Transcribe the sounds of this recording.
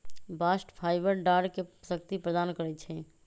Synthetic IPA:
baːsʈpʰaːɪbəɾɖaːɖkesəkt̪ipɾəd̪aːnkəɾɛt͡ʃʰɛ̃

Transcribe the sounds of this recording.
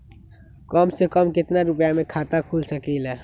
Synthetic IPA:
kɔːmsekɔmkɪt̪naɾʊpjamẽkʰaːt̪akʰuːlsəkilɛː

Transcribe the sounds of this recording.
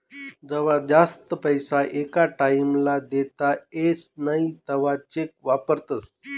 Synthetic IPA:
d͡zəʋ̤ad͡zast̪əpəjsaʔekaʈaimlad̪et̪aesnait̪əʋat͡ɕek̚ʋapəɾt̪əs

